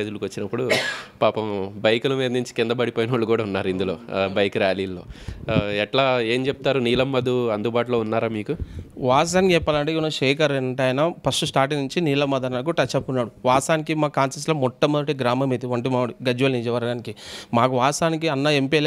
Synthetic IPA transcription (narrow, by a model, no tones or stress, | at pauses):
ed̪ulukʋɐt͡ʃːinɐpːuɽupaːpɐmbɐjkulɐmeːɾnuɲt͡ʃi̥kind̪ɐbɐɽipoːjnɐːɭukuːɽaunːaːɾuind̪ulo̞ːbɐjkɾjaːliːlːo̞ːɛʈlaːeːmt͡ʃepu̥t̪aːɾuniːlɐmːɐd̪uɐnd̪ubaːʈ̬loːunːaːɾaːmiːkuʋaːs̬ɐnd͡ʒɛpːaːlɐɳʈeunɐʃeːkɐɾeʈɐːjɐnɐpʰɐsʈusʈaːɾʈ̬inuɲt͡ʃiniːlɐmɐd̪ɐnaːkuʈɐt͡ʃːɐpːunːaːɽuʋaːsaːnikimaːkaːnsisʈloːmɔʈːɐmɐʈiɡɾaːmɐmeːd̪iʋɐɳʈimaːɽuɡɐd͡ʒuʋɐlnid͡ʒɐʋɐɾɡaːnikimaːkuʋaːsaːnikiɐnːɐempi